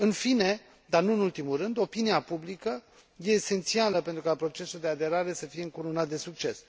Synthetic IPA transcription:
ɨnfine̞ | d̪arnuɨnult̪imulrɨnd̪o̞piniapublikə | je̞ːse̞nt̪sialəpe̞nt̪ɾukapɾo̞t͡ʃe̞suld̪e̞ad̪e̞ɾaɾe̞səfije̞ɨŋkuɾonat̪̚d̪e̞suk̚t͡ʃe̞s

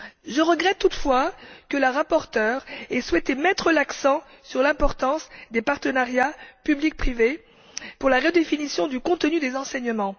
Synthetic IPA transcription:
ʒəʁəɡʁɛt̪ːut̪fwakələʁapɔʁt̪œːʁɛswɛt̪emɛt̪χəlaksɑ̃ | syʁlɛ̃pɔʁt̪ɑ̃sd̪epaʁt̪ənaʁjapyblik̚pχive | puʁlaʁəd̪efinisjɔ̃d̪ykɔ̃t̪ənyd̪ezɑ̃sɛɲəmɑ̃

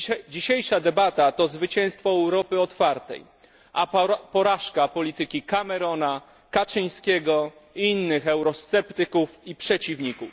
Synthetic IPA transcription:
d͡ʑiɕejʂad̪ɛbat̪at̪ɔzvɘt͡ɕɛ̃w̃st̪fɔɛwɾɔpɘɔt̪faɾt̪ɛ̰j | ʔapɔɾaʂkapɔlʲit̪ɘkʲikamɛɾɔna | kat͡ʂɘj̃skʲɛɡɔiinːɘxɛwɾɔst̪sɛpt̪ɘkufipʂɛt͡ɕivɲikuf

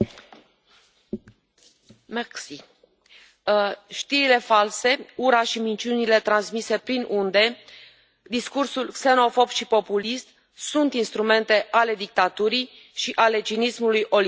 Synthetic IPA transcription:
maksi | ʃt̪iɾile̞false̞uɾaʃimint͡ʃiunile̞t̪ɾansmise̞pɾinʔund̪e̞ | d̪iskursulkse̞no̞fo̞bʃipo̞pulist̪̚ | sunt̪inst̪ɾume̞nt̪e̞ʔale̞d̪ik̚t̪at̪uɾij | ʃiʔale̞t͡ʃinismulujʔo̞l

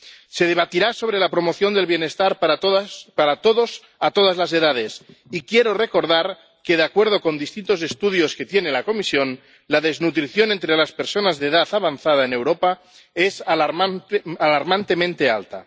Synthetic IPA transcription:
seð̞e̞β̞at̪iɾaso̞β̞ɾelapɾo̞mo̞θjo̞nd̪elβje̞ne̞st̪aɾpaopaɾat̪oðos | at̪oð̞azlaze̞ðað̞es | ikjeɾore̞ko̞ɾð̞aɾ | ke̞ðeakwe̞ɾð̞o̞ko̞nd̪ist̪int̪o̞se̞st̪uðjo̞ske̞t̪jenelako̞misjo̞n | laðe̞znut̪ɾiθjo̞ne̞nt̪ɾelaspeɾso̞nazðeðaθaβanθað̞aene̞wɾo̞pa | esalaɾalaɾmant̪e̞mẽnt̪e̞a̰lt̪a̰

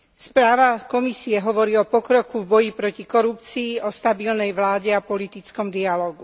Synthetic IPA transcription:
spɾaːʋakɔmisiɛɦɔʋɔɾiːɔpɔkɾɔkuvbɔjipɾɔcikɔɾupt͡siːʔɔst̪abilnɛjʋlaːɟɛapɔlit̪it͡skɔmd̪ialɔːɡu

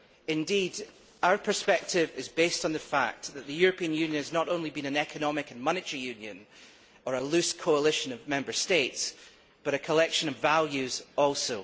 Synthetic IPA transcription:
ɪ̃ndid | aʊə˞pʰə˞spɛk̚tʰɪvɪzbestn̩ðəfa̰k̚ðəʔðəjʉɹəpʰĩə̃njʉ̃njə̃nəznəʔõnlˠibĩnə̃nɛkʰənɔmɪkə̃nmʌnɪʔə˞ijʉ̃njə̰̃n | ə˞əlˠʉskʰoəlˠɪʃə̃nəvmɛ̃mbə˞stets | b̥ʌɾɨkʰəlˠɛkʃə̃nəvːalˠjʉz̥ɔlˠso

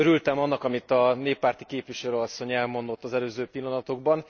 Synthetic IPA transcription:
øɾylt̪ɛmɒnːɒkɒmit̪ɒneːpːaːrt̪ikeːpʋiʃɛløːɒsːo̞ɲɛlmo̞nd̪o̞t̪ːɒzɛløːzøːpilːɒnɒt̪o̞ɡ̚bɒn

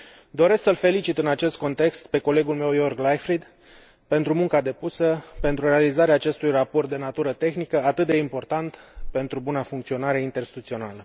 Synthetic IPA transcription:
d̪o̞ɾe̞sksəlfe̞lit͡ʃit̪ɨnat͡ʃe̞st̪̚ko̞nt̪e̞kst̪pe̞ko̞le̞ɡulme̞wjo̞rɡlajfɾid̪ | pe̞nt̪ɾumuŋkad̪e̞pusəpe̞nt̪ɾuɾe̞alizaɾeaːt͡ʃe̞st̪ujrapo̞rt̪̚d̪e̞nat̪uɾət̪e̞xnikəat̪ɨt̪̚d̪e̞impo̞rt̪ant̪pe̞nt̪ɾubunafuŋkt̪sio̞naɾe̞int̪erst̪i̥t̪ut̪sio̞nalə

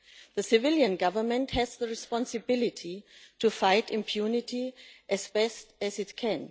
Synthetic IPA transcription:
ðəsɪvɪljə̃nɡʌvə˞mə̃nthɛzðəɹɨspɑ̃nsɨbɪlɪtʰitʰufaɪtɪ̃mpʰjunɪtʰiʔɨzbɛstɨzɨtkʰɛ̃n

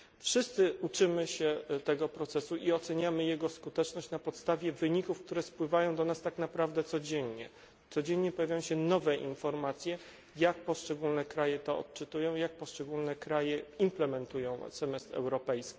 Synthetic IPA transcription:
fʂɘst̪sɘʔut͡ʂɘmɘɕɛt̪ɛɡɔpɾɔt̪sɛsuʔiɔt̪sɛɲamɘjɛɡɔskut̪ɛt͡ʂnɔɕt͡ɕnapɔt̪st̪avʲjɛvɘɲikufk̚t̪uɾɛspwɘvajɔ̃w̃d̪ɔnast̪aknapɾavd̪ɛt̪sɔd͡ʑɛɲɲɛ | t̪sɔd͡ʑɛɲɲɛpɔjavʲajɔ̃ɕɛnɔvɛʔinfɔɾmat̪sʲjɛ | jak̚pɔʂt͡ʂɛɡulnɛkɾajɛt̪ɔɔ̰t̪̚t͡ʂɘt̪ujɔ̃w̃jak̚pɔʂt͡ʂɛɡulnɛkɾajɛimplɛmɛnt̪ujɔ̃w̃sɛmɛst̪ɾɛ̰wɾɔpɛjskʲi̥

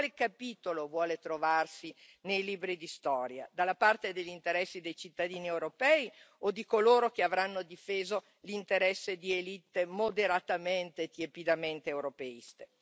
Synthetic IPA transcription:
kwalekapiːt̪olovwɔːlet̪ɾovarsi | nejliːbɾid̪ist̪ɔːɾja̰d̪alːapart̪ed̪eʎːint̪eɾɛsːid̪ejt͡ʃit̪ːad̪iːniewɾopɛːiod̪ikoloːɾok̟eavɾanːod̪ifeːzo | lint̪eɾɛsːed̪ielit̪ːemod̪eɾat̪ament̪et̪jepid̪ament̪eːwɾopeist̪e̥

